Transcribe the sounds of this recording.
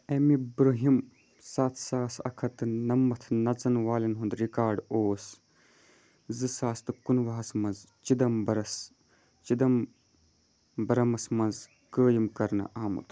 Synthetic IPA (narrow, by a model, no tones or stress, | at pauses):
emibɾuɦim | saːt̪ʰsaːsɐ̰kʰɐt̪ɨnɐmːɐt̪ʰnɐt͡sɐnʋaːlɐnɦund̪ɾikaːɾɖoːs | zɨsaːst̪ɨkunʋɐɦɐsmɐnz | t͡ʃid̪ɐmbɐɾɐs | t͡ʃid̪ɐm | bɐɾɐmɐsmɐnz | kəːjimkɐɾnɐ̰ʔaːmṵt̪ʰ